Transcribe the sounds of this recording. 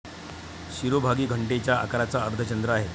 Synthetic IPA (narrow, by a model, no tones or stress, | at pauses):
ɕiɾobʱaɡiːɡʱəɳʈet͡ɕjaa̰kɾat͡saəɾt̪ʰət͡ɕənd̪ɾəaɦe